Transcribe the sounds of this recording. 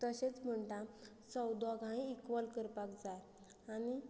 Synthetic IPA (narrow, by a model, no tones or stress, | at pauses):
t̪əɕet͡sm̤əɳt̪a | səwd̪ɔɡʱãĩːkʋəlkəɾpakd͡zaj | ani